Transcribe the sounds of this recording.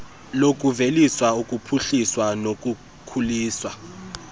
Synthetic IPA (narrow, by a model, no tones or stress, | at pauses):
lokʼuveliswaukʼupʰuɬiswanokʼu | kʰuliːswa